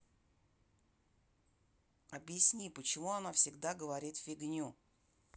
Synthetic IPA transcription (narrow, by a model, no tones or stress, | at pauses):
ɐbjɪsʲnʲipət͡ɕɪmuɐnafsʲɪɡd̪aɡəvɐɾʲit̪fʲɪɡnʲu